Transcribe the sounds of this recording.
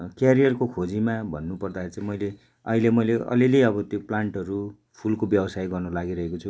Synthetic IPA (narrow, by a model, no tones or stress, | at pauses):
kjaɾijʌrkokʰod͡zimabʱʌnːupʌrd̪akʰeɾit͡sʌ̃ĩmʌjle | ʌ̰ɦilemʌjleʌ̰lileʌbʌt̪joplaɳʈʌɾu | pʰulkobjʌbʌsajɡʌrnʌlaɡiɾʌɦekot͡sʰu